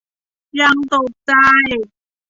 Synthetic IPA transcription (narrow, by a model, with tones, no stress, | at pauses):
ja˧˥ŋt̪o˨˩t̚t͡ɕa˧˩j